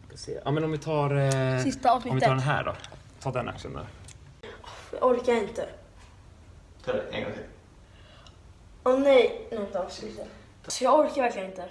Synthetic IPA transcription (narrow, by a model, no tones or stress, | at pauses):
asḛːʔa̰ːmɛnɔmvɪt̪ʰɑːɾsɪst̪aɑːvsnɪɔmvɪt̪ːʰɑːɖɛnɦæ̰ːɖɔ̰t̪ʰɑːɖɛnʔa̰kʂə̰nd̪a̰ɾ | ɔfj̰ʔɔɾkaɾɪnt̪ə | t̪ʰɑːdɛɛ̰ɡɔ̰t̪ɪ | ɔnɛjnɔnt̪ɔfsʉs | sɔjɑɔɾkaɾvæɾklɪənɪnt̪ə